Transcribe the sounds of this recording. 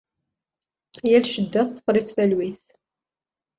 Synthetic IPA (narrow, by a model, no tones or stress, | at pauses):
jælʃəd̪ːæθːə̥fɾˤɪt͡sːθælwiθ